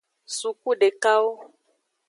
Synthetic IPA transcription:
su˨ku˦ɖe˨ka˦wo˦

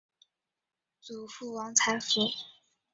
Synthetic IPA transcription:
t͡su˨˩fu˥˩wɑ˧˥ŋt͡sʰa˧˥nfi˧˥

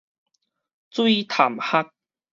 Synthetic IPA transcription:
t͡swi˥˧t̪ʰa˨˩mha˦k̚

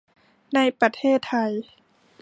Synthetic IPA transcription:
na˧˥jpɾa˧t̪ʰeː˥˩t̪ʰːa˧j

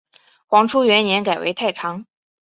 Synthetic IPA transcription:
xwɑ˧˥ŋʈ͡ʂʰu˥ɥɛ˧˥njɛ˧˥nka˨˩ɪwḛ˧˥ɪt̪ʰa˥˩ɪʈ͡ʂʰɑ˧˥ŋ

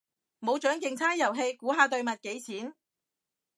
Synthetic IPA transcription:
mo˨˧wt͡ʃœː˨˥ŋkɪ˧ŋt͡sʰaː˥njɐ˨˩wɦe˧jkuː˨˥ɦaː˨˧t̪ɵ˧ɥmɐ˨t̚ke˨˥jt͡sʰiː˨˥n

